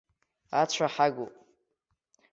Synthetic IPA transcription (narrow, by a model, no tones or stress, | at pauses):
at͡ɕʷʰaħaɡopʼ